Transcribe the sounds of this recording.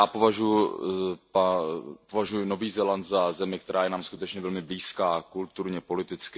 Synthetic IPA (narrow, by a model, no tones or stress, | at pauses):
jaːpo̞vaʒujʊ | papovaʒujʊno̞viːzɛlant̪zazɛmɪk̚t̪ɛɾʔaːjɛnaːmskut̪ɛt͡ʃɲɛvɛlmɪbliːskaːkult̪uɾɲɛpo̞lɪt̪ɪt͡skɪ